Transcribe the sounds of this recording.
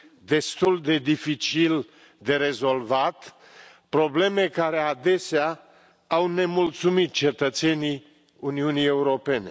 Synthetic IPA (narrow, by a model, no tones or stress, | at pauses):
d̪e̞st̪uld̪e̞d̪ifit͡ʃil | d̪e̞ɾe̞zo̞lvat̪ | pɾo̞ble̞me̞kaɾe̞ad̪e̞sea | awne̞mult̪sumit̪̚t͡ʃe̞t̪ət̪se̞ni | uniunije̞uɾo̞pe̞ne̞